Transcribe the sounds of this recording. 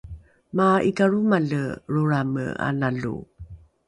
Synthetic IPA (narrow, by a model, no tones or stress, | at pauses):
maikaɾumaləruɾamə̰a̰naɮṵ